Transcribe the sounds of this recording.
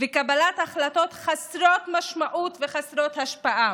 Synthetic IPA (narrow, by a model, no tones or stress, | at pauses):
vekabalat̪aχlat̪ot̪χasɾot̪maʃmaʔut̪veχasɾot̪haʃpaʔa